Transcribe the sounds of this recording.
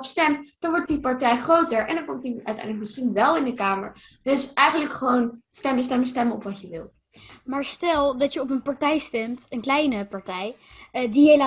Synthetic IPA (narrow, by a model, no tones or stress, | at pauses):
pstɛmd̥ɑnʋɔɹt̚dipɑɹtɛjχrowtəɹʔɛ̰ndɑnkɔmtdiœ̰ɥtɛ̰jndələk̚mɪsχinʋɛlˠɪndəkaːmə̰ɹ | d̥ɵsɛjχənləkχəʋownstɛməs̬tɛməstɛməɔpʋɑtjəʋɪ̰lˠ | maːɹstɛlˠdɑtjəɔp̬ənpɑɹtɛjstɛmtənklɛjnəpɑɹtɛjdiela